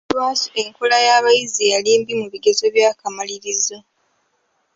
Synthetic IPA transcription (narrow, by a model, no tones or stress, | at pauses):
waːseŋkolajaβajizijaliːmbimuβiɡe̞zo̞βjaːkamaliɾizo